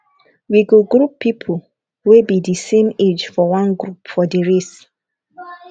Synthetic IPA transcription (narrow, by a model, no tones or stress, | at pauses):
wiɡuɡɹupʰːipʰol | webidisẽmed͡ʒfɔwãnɡɹupfɔdiɹis